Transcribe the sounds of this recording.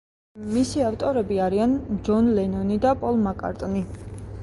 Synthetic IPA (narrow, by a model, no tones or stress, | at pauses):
misiaft̪ʼɔɾɛbiaɾiand͡ʒɔnlɛnɔnid̪apʼɔlˠmakʼa̰ɾt̪ʼni